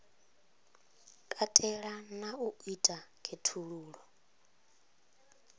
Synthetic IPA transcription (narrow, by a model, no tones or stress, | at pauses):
kʼatʼɛɺanauitʼakʰetʰuɺuːɺɔ